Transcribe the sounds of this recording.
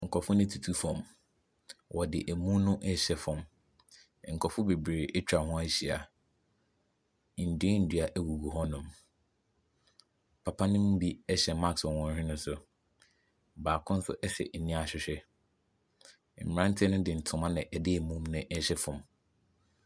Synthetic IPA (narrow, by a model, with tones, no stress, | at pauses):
ŋ̩˨kʰɔ˨fʊ̃˦nɪ̃˦tʰu˨tʰu˦fɔ̃˨m | wɔ˨dɪ̰˨ʔæ˨mũ˦nʊ̃˦ʔɛ˦ɕɛ˨fʊ̃˨m˨ | ŋ̩˨kʰɔ˨fʊ˦be˨bɾeː˨ʔɛ˦t͡ɕᶣa˨hʊ̃˦a˦ɕi˨a˨ | n̩˨dɪ˦n̩˨dɥa˨ʔæ˦wu˨ɡu˨ɦɔ˦nʊ̃˨m | pʰa˨pʰa˦nɪ̃˦mũ˦bi˦ɛ˦ɕɛ˨ma˦ksɔ˨wɔ̃˦n˦ɾɪ̃˦nʊ̃˦sʊ˨ | baː˨kʰʊ̃˦n̩˦sʊ̰˦ʔɛ˦ɕɛ̰˨nĩ˦a˨ɕᶣɪ˨ɕᶣɛ˦˨ | m̩˨m˨ã˦n̩˦tʰɪ˦nʊ̃˦dɪ˨n̩˨tʰʊ̃˨mã˦nɪ̃˨ʔɛ˨dɪ˦æ˨mũ˦mnʊ̃˨˦ʔɕɛ˦fʊ̃˨m